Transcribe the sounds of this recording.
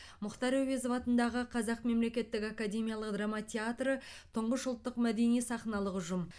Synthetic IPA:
mʊqt̪ɑɾawezovɑt̪ənd̪ɑʁəqʰɑzɑqme̞mle̞kʲe̞t̪ːɪkakad̪ʲe̞mʲijalˠəqd̪ramat̪ʲʰeat̪rət̪ʰʊɴʁəʃʊlˠt̪ːəqmæd̪e̞nijsɑχnɑlˠəqʊʒʊm

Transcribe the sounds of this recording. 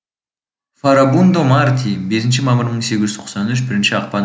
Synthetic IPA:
faɾabund̪omart̪ʲʰimbe̞s̬ɪnʃ̬ɪmɑməɾməɴseɡʲɪz̥t̪ʰo̥q̪sɑnʏʃ̬bɪɾɪnʃɪɑq̚pɑn

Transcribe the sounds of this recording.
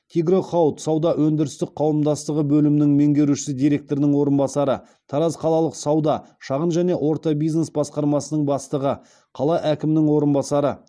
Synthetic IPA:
t̪ʰiɡro̞χɑt̪sɑwd̪ɑʔwɵnd̪ɪɾɪst̪ɪk̚qʰɑwəmd̪ɑst̪əʁəbɵlɪmɪnɪŋme̞ŋɡʲe̞ɾuʃɪ̥sɪd̪ijɾe̞k̚t̪o̞ɾɪnɪŋwo̞ɾənbɑsɑɾə | t̪ʰɑɾɑzqʰɑlˠɑlˠəqsɑwd̪ɑʃɑʁənʒæne̞ʔwʔo̞ɾt̪ɑbijzne̞sbɑsqɑɾmɑsənəɴbɑst̪əʁə | qʰɑlˠɑʔækʲɪmɪnɪŋwo̞ɾənbɑsɑɾə

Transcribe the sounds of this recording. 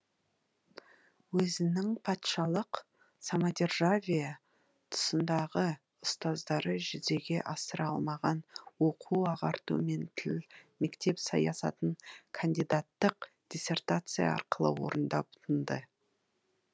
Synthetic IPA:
wɵzɪnɪŋpʰɑt̪ʃɑlˠəq | samad̪ʲerʒavʲija | t̪ʰʊ̥sənd̪ɑʁə | ʊst̪ɑzd̪ɑɾəʒɪze̞ɡʲe̞ʔɑsəɾɑlˠmɑʁɑnwo̞qʰuɑʁɑɾt̪ṵme̞nt̪ʰɪlme̞kt̪e̞psɑ̰jɑsɑ̰t̪əɴkʰand̪ʲijd̪at̪ːəq | d̪̥ʲisʲe̞rt̪at̪sɨjɑ̰ɑ̰ɾqəlˠə̰wo̞̰ɾənd̪ɑbʊ̥t̪ʰənd̪ə

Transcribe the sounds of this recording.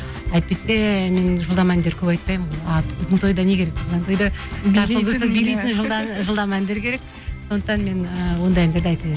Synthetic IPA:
æjt̪̚pe̞se̞me̞nʒəlˠd̪ɑmænd̪eɾkʲʰɵpɑjt̪̚pɑjmɑʊzənt̪ʰo̞jd̪ɑne̞kʲeɾe̞k̚ʊznnt̪ʰojd̪ɑɑɾtəlˠɡʲʏɾsebijlejt̪ɪnʒəlˠd̪ʒəlˠd̪ɑmænd̪e̞ɾkʲʰe̞ɾe̞k̚ | so̞nd̪əqt̪ɑnme̞nəwo̞nd̪ɑjænd̪e̞ɾd̪ɑjt̪e

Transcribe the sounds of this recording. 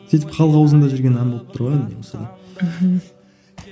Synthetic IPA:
sijt̪̬ɪpqʰɑlˠʁɑwzənd̪ɑʒʏɾɡʲenɑnboəpt̪ʰʊɾʁojnʲemosɑd̪ɑ

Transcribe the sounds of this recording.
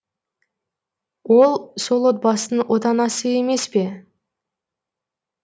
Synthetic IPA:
wo̞lˠso̞lˠot̪̚bɑsənəwʔot̪ɑnɑsəe̞me̞spe̞

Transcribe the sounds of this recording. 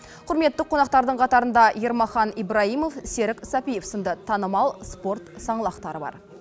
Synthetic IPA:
qʰʊɾme̞t̪ːɪqʰːo̞nɑq̚t̪ɑɾd̪əɴqʰɑt̪ɑɾənd̪ɑje̞ɾmɑχɑnijbɾɑijmo̞fse̞ɾɪksɑpijefsənd̪ət̪ʰɑnəmɑlˠspo̞ɾt̪sɑɴəlˠɑqt̪ɑɾəbɑ̰ɾ

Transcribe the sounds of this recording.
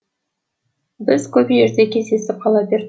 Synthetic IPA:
bɪzkʲʰɵbjeɾd̪ekʲezd̪esɪp̚qʰɑlˠɑbeɾ

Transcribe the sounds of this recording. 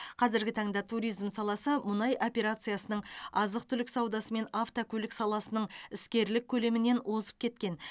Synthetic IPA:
qʰɑzɪɾɡʲɪt̪ʰɑɴd̪ɑt̪ʰuɾʲijzmsɑlˠɑsəmʊnɑjʔo̞pʲe̞ɾat̪sɨjasənəɴɑzəq̚t̪ʰʏlɪksɑwd̪ɑsəme̞naft̪okʲʰɵlɪksɑlˠɑsənəɴɪskʲe̞ɾlɪk̚ʲʰːɵle̞mɪne̞nwʔo̞zə̥p̚kʲʰe̞t̪kʲe̞n

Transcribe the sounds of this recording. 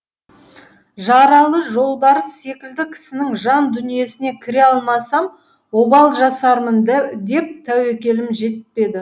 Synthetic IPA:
ʒɑɾɑlˠəʒo̞lˠbɑɾəsːe̞kʲɪld̪ɪkʲʰɪ̥sɪnɪŋʒɑnd̪ʏnije̞sɪne̞kʲʰɪɾe̞ɑlˠmɑsɑm | wo̞bɑlˠʒɑsɑɾmənd̪e̞p̚t̪ʰæwekʲe̞lɪmʒe̞t̪pe̞d̪ɪ

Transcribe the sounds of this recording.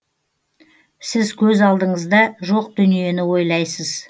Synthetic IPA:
sɪzkʲʰɵzɑlˠd̪əɴəzd̪ɑʒo̞q̚d̪̥ʏnije̞nɪwo̞jlˠɑjsəz̥

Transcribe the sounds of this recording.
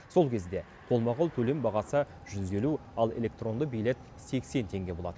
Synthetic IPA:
so̞lˠkʲʰe̞zd̪e̞ | qʰo̞lˠmɑʁəlˠt̪ʰɵle̞mbɑʁɑsə | ʒ̥ʏze̞lu | ɑlˠe̞̰lʲe̞k̚t̪ro̞nd̪əbijle̞t̪̚ | se̞kse̞nt̪ʰe̞ŋɡʲe̞boɑt̪ən

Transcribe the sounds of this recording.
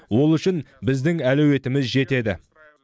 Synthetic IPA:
wo̞lˠʏʃɪnbɪzd̪ɪŋælɵwe̞t̪ɪmɪzʒe̞t̪e̞d̪ɪ̰

